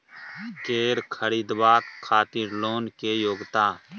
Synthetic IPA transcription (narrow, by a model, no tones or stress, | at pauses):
keːɾkʰəɾiːd̪ʋaːt̪kʰːaːt̪iːɾloːnkejoːɡt̪aː